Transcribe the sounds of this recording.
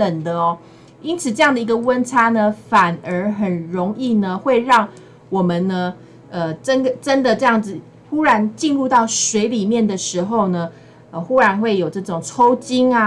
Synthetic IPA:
t̪ə˨˩ŋd̪ə˦ɔ˨˩ | i˦nt͡sʰɹ̩˨˩ʈ͡ʂɤ˥˧jɑ˥ŋd̪ə˩i˧˦ɡə˨wə˦˥nt͡sʰa˥nə˧fa˨˩nə˧˥xə˨˩nɻo˧˥ŋi˥˨nə˩xwe˥˧ɪɻɑ˥˩ŋ | wɔ˨˩mə˨nːə˧ | ə˨ʈ͡ʂə˦˥nɡə˨ʈ͡ʂə˦nd̪ə˨ʈ͡ʂɤ˥˧jɑ˥˩ŋd͡z̩˨˩ | xu˥ɻa˧˦˥nt͡ɕi˥˧nɻu˥˧t̪ɑ˥˩ʊʂwe˧˥ɪli˨˩mjɛ˥˩nd̪ə˨ʂɻ̩˧˦˥xo˥˧ʊnə˩ | ə˧xu˦ɻa˧˥nxwe˥˩ɪjo˨˩ʊʈ͡ʂɤ˥˩ʈ͡ʂʊ˨˩ŋt͡sʰo˥˦ʊt͡ɕi˥ŋa˨

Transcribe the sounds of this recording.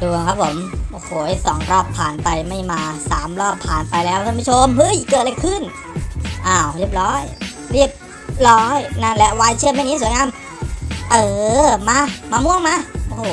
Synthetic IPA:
duː˧ŋkʰa˦˥p̚ʰːo˩˦mʔoː˧˩hʰoː˧˩ʔe˧˩sɔː˩˦ŋɾɔː˥˩pʰːaː˨˩npa˧jma˥˩jmaː˧saː˩˦mɾɔː˥˩pʰːaː˨˩npa˧jlːɛː˦˧˥wt̪ʰaː˧˥˩ma˥˩t͡ɕʰo˧˥mhɤ˦˥˩jkɤː˨˩t̪̚la˧˩kʰɯ˥˩n | ʔaː˧˩wɾi˥˩əp̚ɾɔː˦˥j | ɾi˥˩əp̚ | ɾɔː˦˥jna˥˩nlɛ˦˥ʔwaː˧˥jt͡ɕʰɯ˥˩mːa˥˩jni˦˥˨su˩˦jŋaː˧m | ʔɤː˧˩maː˧˥maː˧mu˧˥˩əŋmaː˧˥˩ʔoː˧˩hʰoː˨˧˦

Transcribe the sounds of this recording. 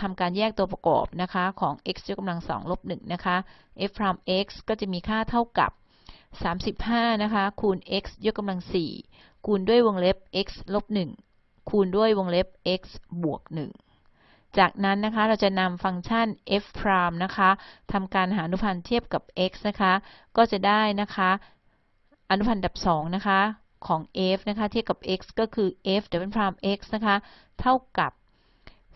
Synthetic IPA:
t̪ʰa˧mkaː˧njɛː˥˩k̚t̪u˧ɐpɾa˧kɔ̰ː˨˩p̚na˦˥kʰa˦˥kʰɔː˩˦ŋʔe˦˥k̚sjo˦˥k̚ːa˧mla˧ŋsɔ̰ː˩˦ŋlo˦˥p̚nɯ˨˩ŋna˦˥kʰa˦˥ | ʔe˦˥fpʰɾaː˧mʔe˦˥k̚skɔː˥˩t͡ɕa˨˩miː˧kʰaː˥˩t̪ʰa˥˩wka̰˨˩p̚ | saː˩˦msi˨˩p̚haː˥˩na˦˥kʰa˦˥kʰu˧nʔe˦˥k̚sjo˦˥k̚ːa˧mla˧ŋsḭː˨˩ | kʰuː˧ndu˥˩əjwo˧ŋle˦˥p̚ʔe˦˥k̚slo˦˥p̚nɯ˨˩ŋ | kʰuː˧ndu˥˩əjwo˧ŋle˦˥p̚ʔe˦˥k̚sbu˨˩ək̚nɯ̰˨˩ŋ | t͡ɕaː˨˩k̚na˦˥nːa˦˥kʰa˦˥ɾa˧wt͡ɕa˨˩na˧mfa˧ŋt͡ɕʰa˥˩nʔe˦˥fpʰɾaː˧mna˦˥kʰa˦˥t̪ʰa˧mkaː˧nɦaː˩˦ʔa˧nu˦˥pʰa˧nt̪ʰi˥˩əp̚ka˨˩p̚ʔe˦˥k̚sna˦˥kʰa˦˥kɔː˥˩t͡ɕa˨˩daː˥˩jna˦˥kʰa˦˥ | ʔa˧nu˦˥pʰa˧nda˨˩p̚sɔː˩˦ŋna˦˥kʰa˦˥ | kʰɔː˩˦ŋʔe˦˥fna˦˥kʰa˦˥i˥˩əpka˨˩p̚ʔe˦˥k̚skɔː˥˩kʰɯː˧ʔe˦˥f̚dɛ˨˩pe˥˩pʰɾaː˧mʔe˦˥k̚sna˦˥kʰa˦˥ | t̪ʰa˥˩wka˨˩p̚

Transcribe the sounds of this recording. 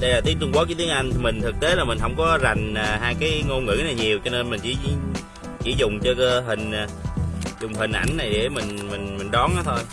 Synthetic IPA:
ɗə˧jlaː˨˩t̪i˨˦əŋt̪ɨ˧ŋɓa˨˦kt̪i˨˦əŋʔa˧jŋt̪ʰi˨˩mi˨˩ŋ̟t̪ʰɨ˨˩k̚t̪e˨˦laː˨˩mï˨˩ŋ̟ɦə˧wŋ͡mkɔ˨˦za˨˩jŋ̟aː˨˩ɦaː˧jkaː˨˦jŋo˧nŋɨ̰˧˥naː˨˩ɲi˨˩əwt͡ɕɔ˧ne˧nmï˨˩ŋ̟t͡ɕḭ˧˦ | t͡ɕḭ˧˩˥zʊ˨˩ŋ͡mt͡ɕɔ˧kəː˧ɦï˨˩ŋ̟a˨˩zʊ˨˩ŋ͡mɦï˨˩ʔa̰˧˩jŋ̟na˨˩jɗe˧˩mï˨˩ŋ̟mï˨˩ŋ̟mï˨˩ŋ̟ɗɔ˨˦nʔaː˨˦˥t̪ʰo˧j

